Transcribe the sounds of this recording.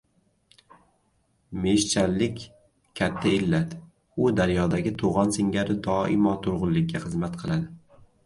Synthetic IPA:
me̞ʃt͡ʃʰalːɪkʲ | kʲʰat̪ʰːaɪlːat̪ | ʊd̪aɾjɒd̪aɡʲɪt̪ʰoʁɒnsɪŋɡʲaɾɪd̪ɒɪ̰mɒt̪ʰʊɾʁʊllːɪk̚ʲːaχɨzmat̪qʰɨlˠad̪ɪ

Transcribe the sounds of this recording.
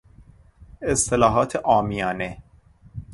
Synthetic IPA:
est̪ʰelɒːɦɒːt̪ʰeʔɒːmijɒːne

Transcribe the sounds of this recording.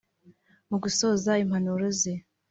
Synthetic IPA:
muɡuso̞ːzaimhanuɾoze

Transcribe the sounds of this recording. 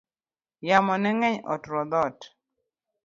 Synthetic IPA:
jamɔnɛŋɛɲɔ̰tɾɔd̪ɔt

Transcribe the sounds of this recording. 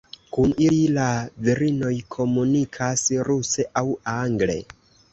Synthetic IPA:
kunililaviɾino̞jkʰo̞munikʰasɾuse̞ʔawaŋɡle̞̰

